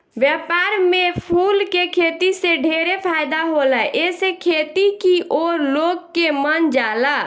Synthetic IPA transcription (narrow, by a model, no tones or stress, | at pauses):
bjɛpaɾmepʰulkekʰet̪iseɖʱeɾepʰajd̪aɦolɛʔesekʰet̪ikiʔoɾloɡkːemənd͡ʒala